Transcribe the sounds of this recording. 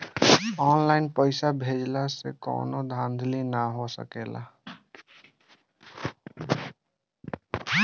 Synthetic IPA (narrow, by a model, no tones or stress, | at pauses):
ɔːnlaɪnpəɪsabʱeːd͡ʒlasḛkɔ̰ːnod̪ʱãːnd̪ʱlinaɦosə̰keːla̰